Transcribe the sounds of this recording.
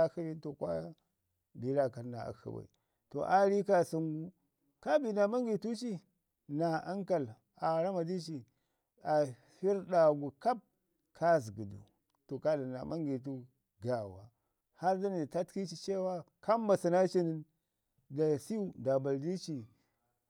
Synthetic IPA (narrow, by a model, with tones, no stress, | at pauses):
xi˦bi˦to˨kʷa̰˦ | bi˨˦la˨ka˨na̰˨a̰˨xə̰˨ba̰˨ḭ˨ | to̰˨ʔa˦ɾi˦ka˦˨su˨ŋɡu˦ | ka˦bi˨na˨ma˦ŋɡi˨tu˦t͡ʃi˦ | na˨a˦ŋka˨l | a˨ɾa˦ma˨di˦t͡ʃi˨ | a˨ | fi˦ɾɗa˨ɡu˨ka˦b̚ | kʰa˦zɡi˨dṵ˨ | to˨ka˦da˨na̰˨ma˦ŋɡi˨t̬u˦ | ɡa˨wa̰˨ | ha˦ɾdi˦ni˨ta˦tki˦t͡ʃi˦t͡ʃe˦wa˦ | ka˦m˦ba˨si˨na˦t͡ʃi˦ni˦n | da˨si˦u˨da˨ba˨ldi˦t͡ʃi˨